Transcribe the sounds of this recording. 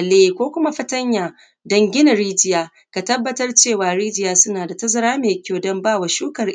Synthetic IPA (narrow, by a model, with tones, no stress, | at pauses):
leː˦˨kʷoː˦kʷʊ˦ma˦ɸɐ˦tɐ˦ɲjaː˨ | dɐ˦ŋɡʲɪ˦na˨ɾiː˦d͡ʒɪ˦jaː˦ | ka˨tɐ˦bːɐ˦tɐ˦rt͡ʃeː˦˨waː˨ɽiː˦d͡ʒɪ˦jaː˦sʊ˦naː˨da˨tɐ˦zɐ˨ɾaː˦meː˨kʲoː˦˨dɔ˦mbaː˦˨wa˨ʃuː˦kɐ˨r